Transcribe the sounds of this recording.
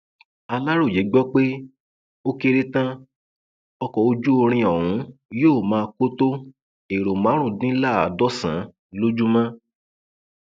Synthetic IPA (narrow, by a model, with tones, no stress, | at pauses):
a˧la˦ɾo˦˨je˨˦ɡ͡bɔ˦k͡pe˦ | o˦ke˧ɾe˧tã˦ | ɔ˧kɔ˨o˧d͡ʒu˦o˧ɾ̃ĩ˧ɔ˨w̃ũ˨˦joː˦˨mãː˦˧ko˦to˦ | e˨ɾo˨mã˨˦ɾ̃ũ˦˨dĩ˦la˦˨a˨˦dɔ˦sã̰˨˦ | lo˦d͡ʒu˦mã˦